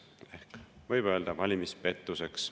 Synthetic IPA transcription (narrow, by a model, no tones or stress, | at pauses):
e̞hkvɤjb̥ø̞ːld̪̥ɑvɑlʲimispe̞t̪ːuse̞ks